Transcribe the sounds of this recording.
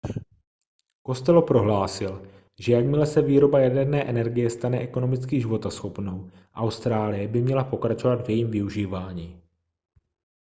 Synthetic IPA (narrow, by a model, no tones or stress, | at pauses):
ko̞st̪ɛlopɾo̞ɦlaːsɪl | ʒɛjakmɪlɛsɛviːɾo̞bajadɛɾnɛːʔɛnɛɾɡɪjɛst̪anɛʔɛko̞no̞mɪt͡skiʒɪvo̞t̪asxo̞pno̞w | ʔawst̪ɾaːlɪjɛbɪmɲɛlapo̞kɾat͡ʃo̞vad̪vjɛjiːmvɪuʒiːvaːɲiː